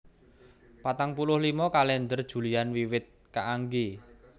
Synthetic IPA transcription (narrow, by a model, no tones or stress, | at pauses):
pat̪aŋpulʊhlimɔkalɛnd̪ərd̥ʒ̥ṳlianwiwɪt̪̚kaʔaŋɡi